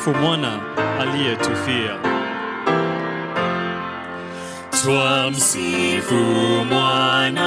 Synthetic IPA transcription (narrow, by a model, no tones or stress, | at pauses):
fumwanaalijɛtʰufia | tʰwam̩sifumwana